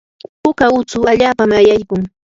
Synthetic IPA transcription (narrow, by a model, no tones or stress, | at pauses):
pʊkaʊt͡sʊaʎaːpamajajkʊŋ